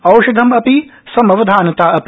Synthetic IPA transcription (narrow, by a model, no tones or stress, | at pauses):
ɐwʃɐd̪ʱɐmɐpisɐmɐʋɐd̪ʱaːnɐt̪aːɐp